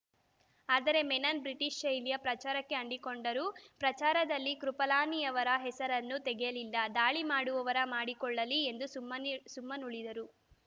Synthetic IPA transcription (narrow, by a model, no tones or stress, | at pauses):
aːd̪ɐɾe̞mɛnɐnbɾiʈiʃɐjlijɐpɾɐt͡ʃaːɾɐkːe̞ɐɳɖikoɳɖɐɾupɾɐt͡ʃaːɾɐd̪ɐlːikɾupɐlaːnijɐʋɐɾɐɦɛsɐɾɐnːut̪ɛɡɛjɐlilːɐd̪aːɭimaːɽuʋɐʋɐɾɐmaːɽikɔɭːɐliend̪umɐsumːɐnuɭid̪ɐɾu